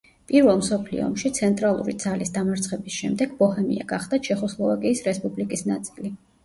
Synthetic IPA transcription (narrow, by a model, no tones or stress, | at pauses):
pʼiɾvɛlˠmsɔpʰlḭɔ̰ɔmʃit̪sʰɛnt̪ʼɾalˠṵɾḭd̪z̥alisd̪amaɾt̪sʰχɛbisʃɛmd̪ɛɡ̥bɔhɛmḭa̰ɡaχd̪̥at͡ʃʰɛχɔslˠɔvakʼiːsɾɛspʼublikʼisna̰t̪sʼili